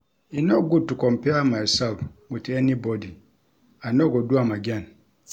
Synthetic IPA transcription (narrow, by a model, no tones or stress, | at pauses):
inɔɡutːukɔmpɛamaisɛlfŋutɛnibɔdi | anɔɡɔduamaɡan